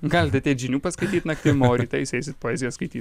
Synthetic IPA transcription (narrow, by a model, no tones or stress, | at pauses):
ɡɐlʲɪt̪ɐt̪ʲeːt̪ʒʲɪnʲuːpɐskɐɪt̪ʲiːt̪nɐkt̪ʲɪmoːɾʲiːt̪ɐɪsʲɛɪsʲɪt̪̚poːɛzʲɪjɛskɐɪt̪ʲiːt̪